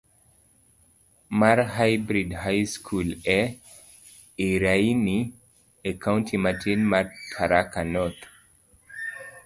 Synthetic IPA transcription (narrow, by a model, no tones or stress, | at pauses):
maɾɦajbɾidhajskʰulɛ | iɾajni | ekʰawntʰimatʰinmaɾkʰaɾakanɔt̪